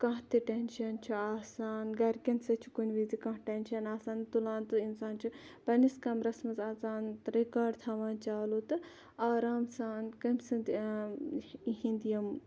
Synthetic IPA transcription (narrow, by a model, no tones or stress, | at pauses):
kɐ̃ɦt̪iʈenʃɐnt͡ʃʰiaːsaːnɡɐɾkʲɐnsɐt͡ʃʰi̥kunʲʋizikɐ̃ɦʈenʃɐnaːsaːnt̪ulaːnt̪ɨinsaːnt͡ʃʰipɐniskɐmɾɐsmɐzaːt͡saːnt̪ɾekaːɖt̪ʰaːʋaːnt͡ʃaːlut̪ɨ | aːɾaːmsaːnkɐmsɨnd̪ | ɦĩnd̪jɐm